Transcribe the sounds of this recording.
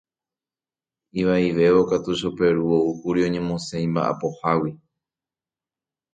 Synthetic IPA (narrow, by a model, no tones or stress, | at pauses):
iʋaiʋe̞ʋo̞kat̪uʃope̞ɾuoukuɾiõ̞ɲẽ̞mõsẽĩmba̰ʔa̰po̞hawi